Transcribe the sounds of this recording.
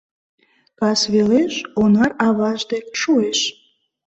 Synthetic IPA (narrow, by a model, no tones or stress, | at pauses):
kɑsβeleʃonɑrɑvɑʒd̪eʃueʃ